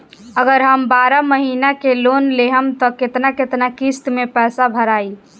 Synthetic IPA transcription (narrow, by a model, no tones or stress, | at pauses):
əɡəɾɦəmbaɾəməɦinakelonleɦəmt̪ɔket̪naket̪nakist̪mepɛːsabʱəɾai